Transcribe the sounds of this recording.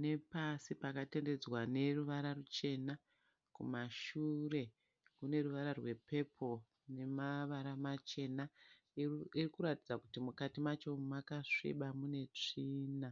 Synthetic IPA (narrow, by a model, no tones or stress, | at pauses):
ne̞pasipakatende̞d͡zwane̞ruʋaɾarut͡ʃe̞na | kumaʃure̞ | kune̞ruʋaɾarwe̞pe̞pʰo̞ | ne̞maʋaɾamat͡ʃe̞na | irikuɾatid͡zakutimukatimat͡ʃo̞makaʂḭɓamune̞t͡ʂiːna